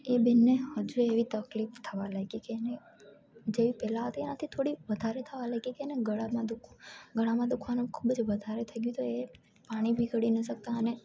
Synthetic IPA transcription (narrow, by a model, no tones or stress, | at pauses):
ebɛnːehəd͡ʒueʋit̪əklift̪ʰəʋalaɡikeːne | d͡ʒeʋipɛlaɦət̪ienat̪ʰit̪ʰoɽiʋəd̪ʱaɾet̪ʰəʋalaɡikeneɡəɭamãd̪ukʰuɡəɭamãd̪ukʰʋanukʰubd͡ʒʋəd̪ʱaɾet̪ʰəɡjũt̪oe | paɽ̃ibʱiɡəɽinəʃək̚t̪aəne